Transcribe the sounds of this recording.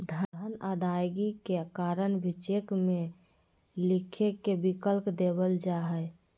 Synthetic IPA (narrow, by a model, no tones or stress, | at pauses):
d̪ʱəənad̪ajɡikekaɾənbʱit͡ʃekme | likʰekebikəlpd̪ebəld͡ʒaɦəj